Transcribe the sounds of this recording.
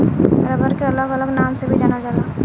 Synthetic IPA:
ɾəbəɾkeələɡələɡnamsebʱid͡ʒanad͡ʒaːla

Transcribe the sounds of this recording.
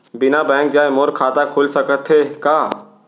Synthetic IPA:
bɪnabɛ̃ːŋkd͡ʒaːemoɾkʰaːt̪akʰoːlsəkət̪ʰɦekaː

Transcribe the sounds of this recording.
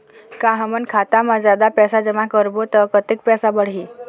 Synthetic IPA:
kãɦəmənkʰat̪amad͡zad̪apɛsad͡ʑəʋãkəɾbot̪əkət̪ik̚pɛsabəɽɦi

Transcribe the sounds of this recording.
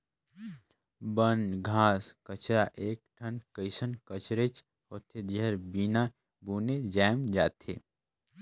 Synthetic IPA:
bənɡʱaːskət͡ʃɾaʔeːk̚ʈʰənkəɪsənkət͡ʃɾet͡ʃ | hoːt̪ʰed͡ʒeɦəɾbiːna | buːned͡ʒaːmd͡ʒaːt̪ʰḛː

